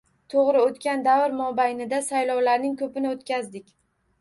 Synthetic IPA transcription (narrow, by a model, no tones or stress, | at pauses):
t̪ʰoʁɾɪot̪kʲand̪avɪɾmɒbajnɪd̪asajlɒwlaɾnɪŋkʰɵpɪnɪot̪kʲazd̪ɪkʲ